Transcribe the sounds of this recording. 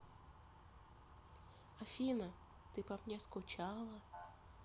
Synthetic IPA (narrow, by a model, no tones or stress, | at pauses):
ɐfʲinɐ | t̪ɪpɐpnʲɛskʊt͡ʃɑlˠɐ